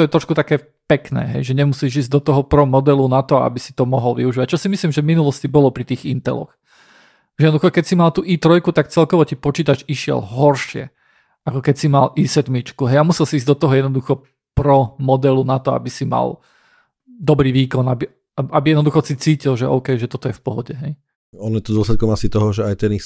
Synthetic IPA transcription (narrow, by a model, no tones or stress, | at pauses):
t̪ɔjɛt̪ɾɔʃkut̪akɛː | pɛknɛ̰ːɦɛ̰jʒɛɲɛmusiːʒiːzɟd̪ɔt̪ɔɦɔpɾɔmɔd̪ɛlunat̪ɔa̰bisi̥t̪ɔmɔɦɔlʋḭuʒiːʋac̚t͡ʃɔsimisliːmʒɛvminulɔscibɔlɔpɾit̪iːɣint̪ɛ̰lɔ̰x | jɛd̪ɔd̪uxɔkɛcsimalt̪uːʔiːt̪ɾɔjkut̪ak̚t͡sɛlkɔʋɔcipɔt͡ʃiːt̪at͡ʃiʃɪɛ̰lɦɔɾʃɪɛ̰ | akɔkɛcsimalʔiːsɛd̪mit͡ʃkuɦɛjamusɛlsiiːzɟd̪ɔt̪ɔɦɔjɛd̪nɔd̪uxɔ | pɾɔmɔd̪ɛlunat̪ɔa̰bisima̰l | d̪ɔbɾiːʋiːkɔnabi | aabijɛd̪nɔd̪uxɔsit͡siːcilʒɛʔɔ̰ʊkɛjʒɛt̪ɔt̪ɔjɛfpɔɦɔɟɛɦɛj | ɔnjɛt̪ɔd̪ʊɔslɛt̪̚kɔmasit̪ɔɦɔʒɛajt̪ɛni